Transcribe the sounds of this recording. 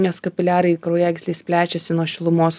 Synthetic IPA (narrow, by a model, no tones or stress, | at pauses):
nʲɛskɐpʲɪlʲæːɾɐɪkɾoʊjæːksʲlʲɛɪsʲpʲlʲæːt͡ʃʲɛsʲɪnuɔʃʲɪlˠʊmoːs